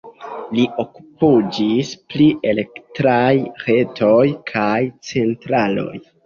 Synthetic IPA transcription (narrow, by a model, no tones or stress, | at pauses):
liʔoku̥pud͡ʒisplie̞le̞ktɾajɾe̞tʰo̞jkʰajt͡se̞ntɾalo̞̰j